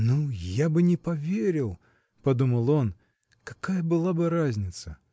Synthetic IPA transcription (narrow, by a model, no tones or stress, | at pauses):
nujabɨnʲɪpɐvʲeɾʲɪlˠ | pɐd̪uməlˠo̞n | kɐkajəbɨlˠabɨɾazʲnʲɪt̪sə